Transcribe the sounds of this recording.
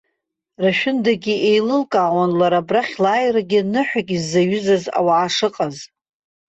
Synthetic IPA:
raʃᶣʏndaɡʲiʔejlɨlkʼaʕwanlaɾabraχʲlaːjraɡʲɪnɨħʷᶣakʲʼizːaɥʏzaza̰waːʂɨqʼaz

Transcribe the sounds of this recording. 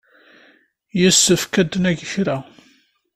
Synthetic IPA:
jəsːəfkæd̪ənæʝəçɾæ

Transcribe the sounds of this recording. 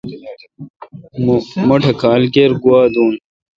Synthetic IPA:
mɐʈʰɐkʰaːlkeɾɡuwaːd̪ũːn

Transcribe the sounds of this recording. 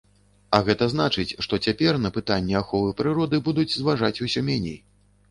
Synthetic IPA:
ɐɣɛt̪ɐzn̪at͡ʂɨt͡sʲʂt̪ɔt͡sʲapʲɛrnɐpɨt̪anʲːɛaxɔvɨpɾɨɾɔd̪ɨbud̪ud͡zʲzvaʐat͡sʲusʲɔmʲɛnʲḛj

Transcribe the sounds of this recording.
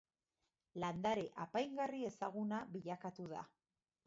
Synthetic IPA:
land̪aɾe̞ʔapajŋɡarie̞saɣunaβiʎakat̪uða̰

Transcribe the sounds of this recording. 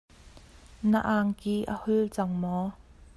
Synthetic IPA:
nəʔaːŋkiʔə̰hʊlt͡sɐŋmɔ

